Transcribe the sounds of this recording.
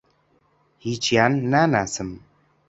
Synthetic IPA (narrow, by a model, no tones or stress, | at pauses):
hit͡ʃianːanasəm